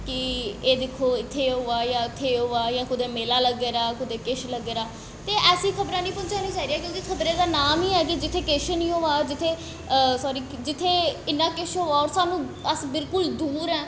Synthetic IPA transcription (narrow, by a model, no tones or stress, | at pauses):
kɪeːd̪ɪkʰːoːɪt̪ʰːeːɦoːaːjãːɪt̪ʰːeːɦoːaːjãːkʊd̪eːmeːlaːləɡeːɾaːkʊd̪eːkɪʃləɡeːɾaː | t̪eːɛːsĩːkʰəbɾaːnĩːpʊnt͡ʃaːnĩːt͡ʃaːɾiːaːkjõːkikʰəbɾẽːd̪aːnaːmiːɛːk̬ɪd͡ʒɪt̪ʰːeːkɪʃnĩːɦoːaːd͡ʒɪt̪ʰːeː | sɔːɾiː | d͡ʒɪt̪ʰːeːɪnːãːkɪʃɦoːaːɔːɾsaːnũːəsbɪlkʊld̪uːɾɛː